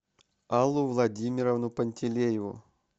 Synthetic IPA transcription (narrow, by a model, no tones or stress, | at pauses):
alˠːʊvlˠɐdʲimʲɪɾəvnʊpənʲtʲɪlʲejɪvʊ̰